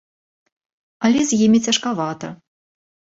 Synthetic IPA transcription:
ɐlʲɛzʲjimʲit͡sʲɐʂkavat̪ɐ

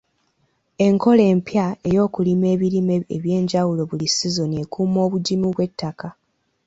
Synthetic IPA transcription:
e̞ŋko̞le̞ːmpjae̞jo̞ːkulime̞ːβilimeeβje̞ːɲɟawulo̞βulisizo̞nie̞kʰuːmo̞ːβuɟimuβwe̞tʰːaka

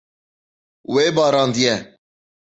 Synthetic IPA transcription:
weːbɑːɾɑ̃ːnd̪ijɛ

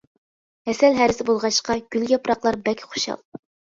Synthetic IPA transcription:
hɛsɛlɦæɾɪsɪbolˠʁɑʃqɑɡʲyljɑpɾɑqlˠɑɾbɛlkʲʰχo̥ʃɑ̰lˠ

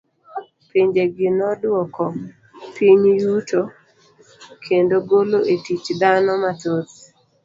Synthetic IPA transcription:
piɲd͡ʒeɡɪnɔdwɔkɔ | piɲjuto | kʰendoɡoloʔetit͡ʃd̪anɔmatot

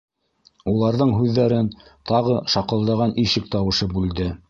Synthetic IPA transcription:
ulˠɑɾðɤɴɦʉðːæɾɘnt̪ɑʁɤʃɑqɤ̆lˠd̪ɑʁɑnʔiʃɘk̚t̪ɑwɤ̆ʃɤbʉld̪ɘ

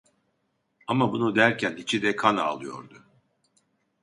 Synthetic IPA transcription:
amabunud̪æɾcʰænit͡ʃʰid̪ɛkʰana̰ːlˠɯjo̞̰ɾd̪ʊ

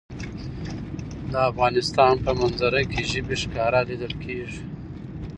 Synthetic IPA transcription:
d̪əafɣɑnɪst̪ɑnpəmanzaɾakeʒəbeʂkɑɾalid̪əlkʰeʐi

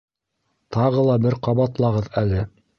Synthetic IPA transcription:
t̪ɑʁɤlˠɑbɘɾqɑβɑt̪lˠɑʁɤðælɘ

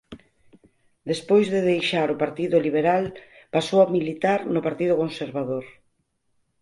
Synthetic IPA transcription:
d̪espojzðeðejʃaɾʊpaɾt̪iðʊliβ̞eɾalpasowamilit̪aɾnʊpaɾt̪iðʊkonseɾβaðoɾ

